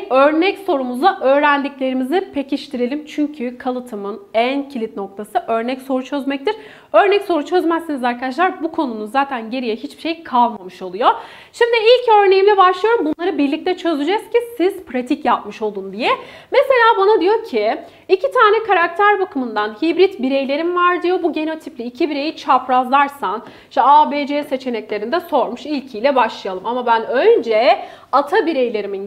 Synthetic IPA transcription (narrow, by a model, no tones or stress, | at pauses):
ø̞ɾnɛcso̞ɾumuzaʔøːɾænd̪icʲlʲe̞ɾimizipʰe̞ciʃt̪ʰiɾelʲimt͡ʃʰyɲcʰykʰalˠɯt̪ʰɯmɯnæncʰilʲit̪̚no̞k̚t̪ʰasɯʔø̞ɾnɛcso̞ɾut͡ʃʰø̞zmɛc̚t̪iɾ | ø̞ɾnɛcso̞ɾut͡ʃʰø̞zmæsːinizaɾkʰad̪aʃ̬lˠaɾbukʰo̞nunuzaːt̪ʰænɟe̞ɾijɛɦit͡ʃbiʃejkʰalˠmamɯʃo̞lˠujo | ʃimd̪ɪilʲcø̞ɾne̞jimlʲɛbaʃlˠɯjo̞ɾumbunlˠaɾɯbiɾlʲic̚t̪ʰɛt͡ʃʰø̞zyd͡ʒɛz̥cʰisiz̥pɾat̪ʰicjap̚mɯʃo̞lˠund̪ijɛ | mese̞lʲaːbanad̪ijo̞cʰiː | cʰit̪ʰaːnɛkʰaɾak̚t̪ʰæɾbakɯmɯnd̪anhibɾit̪biɾejlʲe̞ɾimvaɾd̪ijo̞buɟe̞no̞t̪ʰiplʲiːcʰibiɾe̞jit͡ʃʰapɾazlˠaɾsan | iʃt̪ɛaːbeːd͡ʒeːse̞t͡ʃʰe̞nɛclʲe̞ɾinid̪ɛso̞ɾmuʃilʲcʰijlʲɛbaʃlˠɯjalˠɯmamabænø̞nd͡ʒɛ | at̪ʰabiɾejlʲe̞ɾimin